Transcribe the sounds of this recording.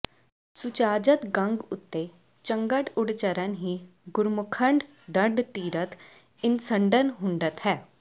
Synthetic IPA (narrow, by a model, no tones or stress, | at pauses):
sʊt͡ʃaːd͡ʒət̪ɡə̃ŋɡʊt̪ːe | t͡ʃəŋɡəʈʊɽt͡ʃəɾənɦiːɡʊɾmʊkʰəɳɖ | ɖəɳɖt̪iːɾət̪ | ɪnsəɳɖənɦʊɳɖət̪ɦɛː